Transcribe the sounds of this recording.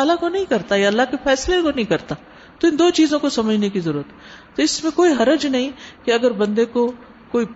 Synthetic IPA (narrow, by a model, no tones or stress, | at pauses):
aːlakonɐɦĩkɐɾt̪ajaɐlːaɦkefɛːslekonɐɦĩkɐɾt̪a | t̪oɪ̃nd̪oːt͡ʃiːzõkosɐməd͡ʒʱnekizɐɾuːɾət̪ɦː | oɪsmẽkoːiɦɐɾəd͡ʒnɐɦĩkeɐɡəɾbɐ̃nd̪eko | koːi